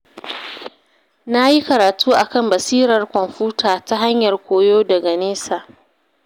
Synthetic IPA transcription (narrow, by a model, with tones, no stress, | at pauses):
na˦ji˦kɐ˨ɾaː˨tʰuː˦ʔa˨kɐ˦˨mbɐ˨siː˦ɾɐ˨rkʷɔ˨mɸuː˦tʰaː˨ta˦ɦa˦ɲjɐ˨rkʷoː˨joː˦dɐ˨ɡa˨neː˦saː˨ʔ